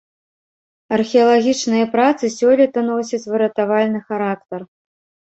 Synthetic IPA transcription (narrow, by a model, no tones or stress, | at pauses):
ɐrxʲiɐlˠaɣʲit͡ʂnɨjɐpɾat̪sɨsʲɔlʲit̪ɐnɔs̬ʲɐt͡sʲvɨɾɐt̪avalʲnɨxaɾakt̪ɐr